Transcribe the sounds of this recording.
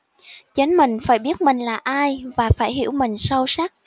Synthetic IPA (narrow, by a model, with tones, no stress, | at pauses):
t͡ɕe˨˦nmï˨˩ŋ̟faː˧˩jɓi˦˥ət̚mï˨˩ŋ̟laː˨˩ʔaː˧jvaː˨˩faː˧˩jɦḭ˧˩əwmï˨˩ŋ̟sə˧wsa˦˥k̚